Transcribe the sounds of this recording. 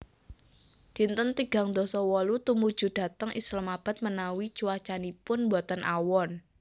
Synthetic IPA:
d̪̥i̤nt̪ənt̪iɡ̥a̤ŋd̪ɔsɔwɔlut̪umud̥ʒ̥ṳd̥a̤t̪əŋʔḭslamab̥a̤t̪̚mənawi̥t͡ʃuwat͡ʃanipʊnmbɔt̪ənʔawɔn

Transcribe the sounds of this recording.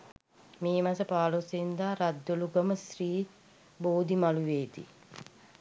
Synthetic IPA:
meːmasəpaːlosnd̪aːɾad̪ːoluɡəməsriː | boːd̪imaluʋeːd̪ḭ

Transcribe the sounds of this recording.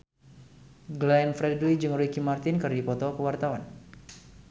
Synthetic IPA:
ɡlanfɾɛduid͡ʒəŋɾikimart̪ɪnkərdipɔt̪ɔkəwart̪awan

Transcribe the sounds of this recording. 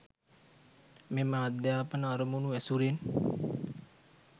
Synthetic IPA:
meməad̪jaːpənəːɾəmunuʋɛsuɾen

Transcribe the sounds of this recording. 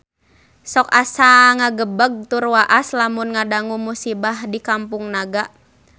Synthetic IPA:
sɔkasaŋaɡəbəɡ̚t̪urwaʔaslamunŋadaŋumusibahdikampuŋnaɡa

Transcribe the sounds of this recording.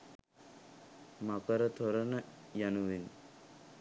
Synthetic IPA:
makəɾət̪ʰoɾənəjanuʋin

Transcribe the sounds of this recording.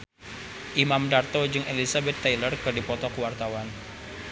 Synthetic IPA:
ʔimamdart̪od͡ʒɨŋʔelisabɛt̪ːajlərkɨrdipɔt̪ɔkəwart̪awan

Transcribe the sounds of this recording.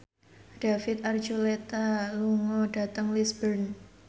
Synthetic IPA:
d̥afɪt̪̚ard͡ʒulet̪aluŋɔɖ̥a̤t̪əŋlisbərn

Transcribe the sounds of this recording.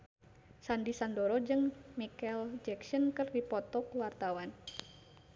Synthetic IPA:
sandisandɔɾɔd͡ʒɨŋmikɛld͡ʒɛksɔnkɨrdipɔt̪ɔkuwart̪awan

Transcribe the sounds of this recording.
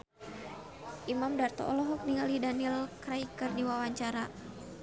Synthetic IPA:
ʔimamdart̪ɔ̰ʔɔlɔɦɔk̚niŋɡalidanilkɾaikɨrdiwawaɲt͡ʃaɾa

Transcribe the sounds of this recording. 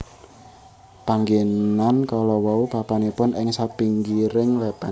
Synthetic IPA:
paŋɡenankalɔwɔupapanipʊnɪŋsapiŋɡiɾɪŋlɛpa

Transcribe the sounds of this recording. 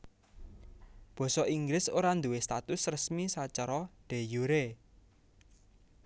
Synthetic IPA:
b̥ɔ̤sɔʔiŋɡɾɪsoɾand̪uwest̪at̪ʊsrəsmisat͡ʃaɾɔɖ̥e̤juɾe

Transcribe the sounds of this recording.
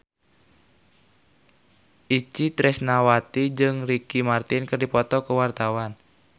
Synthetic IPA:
ʔit͡ʃit̪ɾɛsnawat̪id͡ʒɨŋrikimart̪ɪnkɨrdipɔt̪ɔkəwart̪awan

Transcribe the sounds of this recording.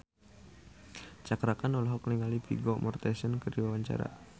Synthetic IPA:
t͡ʃakɾakanɔlaɦɔkniŋalipḭɡɔmɔrt̪ɛsənkərdiwawaɲt͡ʃa̰ɾa̰

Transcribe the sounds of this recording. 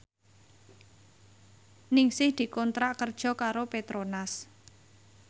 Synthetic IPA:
nɪŋsɪhd̪̥i̤kɔnt̪ɾaʔkərd̥ʒ̥ɔ̤kaɾopet̪ɾonas

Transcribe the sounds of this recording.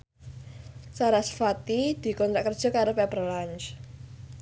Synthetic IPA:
saɾasfat̪id̪̥i̤kɔnt̪ɾaʔkər̥d͡ʒ̥ɔ̤kaɾopɛpərlant͡ʃ

